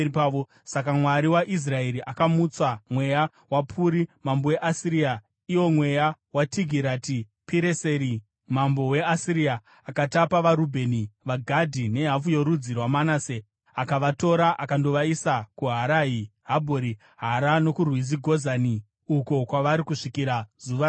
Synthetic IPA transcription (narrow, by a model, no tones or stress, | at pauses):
pao | sakamwaɾiwaʔis̬rae̞ɾiʔakamut͡samwe̞ja | wapʰuːɾimambo̞je̞ʔasiɾia | iwo̞mwe̞jawatiɡʱiɾati | piɾeseɾi | mambo̞we̞asiɾiaː | katapaʋaɾubʱe̞niʋaɡʱadʱine̞ɦafujo̞ɾud͡zirwamanase | akaʋato̞ɾaʔakando̞ʋaisakuɦaɾaːɦiɦabʱoɾi | ɦaɾano̞kurwiziɡʱo̞zani | uko̞kwaʋaɾikuʂikiɾazuʋa